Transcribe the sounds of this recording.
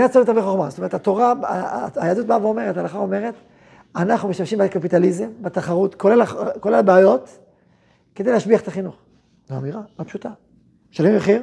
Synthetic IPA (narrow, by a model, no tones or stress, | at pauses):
at͡soet̪aviχoχmazotome̞etʰat̪o̞ʁaaajad̪ut̚baveome̞ʁetalaχao̞me̞ʁet̪ | anaχnumeʃamʃimbekapitalizembet̪aχaʁutkollakolelbeajo̞t | ked̪e̞jlehaʃbiaχet̪aχinuχ | zaamiʁaapʃut̪a | ʃalemjeχiʁ